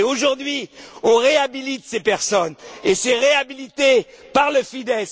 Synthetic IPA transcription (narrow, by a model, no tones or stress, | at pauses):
oʒuʁd̪ɥiɔ̃ʁeabilit̪sepɛʁsɔnesɛʁeabilit̪e | paʁləfid̪ɛs